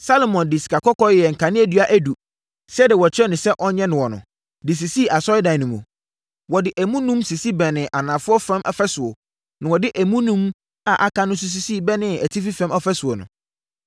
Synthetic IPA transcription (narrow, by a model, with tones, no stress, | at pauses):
sa˦lo˨mɔ̃˨ndɪ˨si̥˨kʰa˨kʰɔ˦kɔ˦jɛ˨ŋ̩˨kʰã˨nɪ̃˦æ˨dɥa˦ʔæ˦du˨ | sɛ˦dɪ˨wɔ˨t͡ɕʰᶣɪ˦ɾɛ˦nʊ̃˨sɛ˦ʔɔ˦ɲɛ̃˦nɪ̃˨wɔ˨nʊ̰̃˨ | dɪ˨s̬i˨si˦˨a˨sɔ˦ɪ˦dã˨nũ˨mṵ̃˨ | wɔ˨dɪ˨ʔæ˨mũ˦nũ˦msi˨si˦bɛ˨nɪ̃˨ʔa˨nãː˨fʊ˦ɔ˦fɾɛ̃˦mʔɛ̰˨fɛ˦sʊ˨o̰˨ | nã˨wɔ˨dɪ˦ʔæ˨mũ˦nũ˦m | a˨ʔa˨kʰã˦nʊ̃˦s̬u˦s̬i˦siː˦˨bɛ˦nɪ̃˦æ˨tʰi˦fi˦fɛ̃˦mɔ˦fɛ˦sʊ˨o˨nʊ̰̃˨